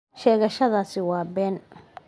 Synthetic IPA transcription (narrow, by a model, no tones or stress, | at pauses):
ʃɛːɣɐʃɐðaːsɪwɑːbɛːn